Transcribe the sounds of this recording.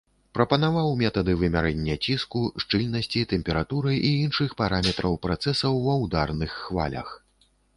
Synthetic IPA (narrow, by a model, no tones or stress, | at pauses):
pɾɐpɐnavawmʲɛt̪ɐd̪ɨvɨmʲaɾɛnʲːɛt͡sʲiskuʂt͡ʂɨlʲnɐsʲt͡sʲit̪ɛmʲpʲɛɾat̪uɾɨʔiinʂɨxpaɾamʲɛt̪ɾɐwpɾat̪sɛsɐwːɐwd̪arnɨxːva̰lʲɐ̰x